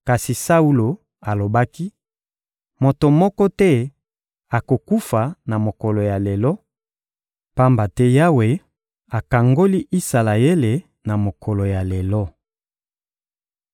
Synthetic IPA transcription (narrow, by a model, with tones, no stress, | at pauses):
ka˨si˨sa˦u˦lo˨ | a˨lo˨ba˦ki˦ | mo˨to˨mɔ˦kɔ˦tɛ˦ | a˨ko˨ku˦fa˨na˨mo˨kɔ˨lo˨ja˨le˨lɔ˦ | pa˦mba˨tɛ˦ja˦we˨ | a˨ka˨ŋɡo˦li˦ʔi˦sa˨la˨e˦le˨ | na˨mo˨kʰɔ˨lo˨ja˨le˨lɔ˦